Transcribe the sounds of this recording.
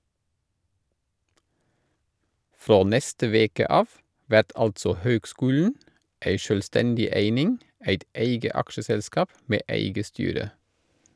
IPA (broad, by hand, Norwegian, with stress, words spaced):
ˈfɾoː ˈnɛstə ˈʋeːkə ˈɑːf ˈʋæt ˈɑltsɔ ˈhøːɡˌskʉːln̩ ˈeɪ ʃøːlˈstɛndɪ ˈeɪnɪŋ ˈæɪt ˈeɪɡə ˈɑkʃəˌsɛlskɑːp ˈmeː ˈæɪɡə ˈstyːɾə